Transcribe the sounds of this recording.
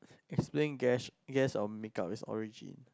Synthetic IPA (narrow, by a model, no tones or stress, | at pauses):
ɛksplẽnɡɛɡɛsɔmikapisɔ̰ɹid͡ʒḭ̃n